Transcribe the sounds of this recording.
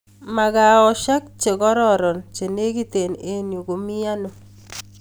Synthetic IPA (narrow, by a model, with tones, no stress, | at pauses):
ma˨ɡa˨ɔ˨ʃa˦k̚t͡ʃe˨ɡɔ˦ɾɔ˦˨ɾɔ˨nt͡ʃe˨ne˦ɡi˦t̪e˨ne˦njo˨ɡo˨mɪ˦a˦no˨